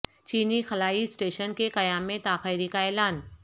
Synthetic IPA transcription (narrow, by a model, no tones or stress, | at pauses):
t͡ʃiːnixɐlaːisʈeːʃənkekɐjaːmːẽt̪aːxəɪɾikaɛːlaːn